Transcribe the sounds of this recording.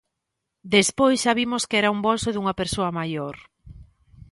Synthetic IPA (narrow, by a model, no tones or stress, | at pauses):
d̪espojsʃaβimoskeɛɾaumbolsoðuŋɐpeɾsoɐmajoɾ